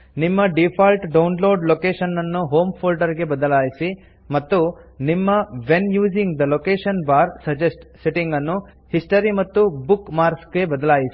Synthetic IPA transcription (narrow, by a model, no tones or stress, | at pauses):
nimːɐɖipʰaːlʈɖɐwnloːɖlokeːʃɐnːɐnːuɦoːmpʰoːlɖɐɾɡe̞bɐd̪ɐlaːjisi | mɐt̪ːunimːɐʋenjuːd͡ʒiŋɡd̪ɐlokeːʃɐnbaːɾsɐd͡ʒesʈseʈiŋɡɐnːu | hisʈɐɾimɐt̪ːubukmaːɾsɡe̞bɐd̪ɐlaːjisi